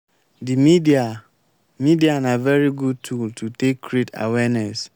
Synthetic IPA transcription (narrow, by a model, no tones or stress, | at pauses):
dimidia | midianavɛɹiɡud̚tʰultʰutekːɾeta̰wɛnɛs